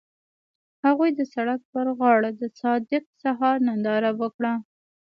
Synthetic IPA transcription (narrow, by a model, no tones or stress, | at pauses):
haɣujd̪əsaɽak̚pəɾɣɑɽad̪əsɑd̪ɪq̚saɦɑɾnand̪ɑɾawəkɽa